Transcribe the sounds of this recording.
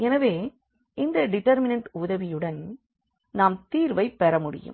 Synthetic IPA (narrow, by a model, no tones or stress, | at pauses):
ɛnɐʋeː | ɪnd̪ɐɖɪʈɐɾmɪnɐɳʈʊðɐʋɪjɯɽɐn | naːmt̪iːɾʋɐɪpːɛɾɐmʊɽɪ̰jɯ̰m